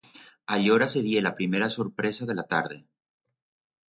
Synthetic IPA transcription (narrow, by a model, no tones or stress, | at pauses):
aʎo̞ɾase̞ðje̞lapɾime̞ɾaso̞ɾpɾe̞sað̞e̞lat̪aɾðe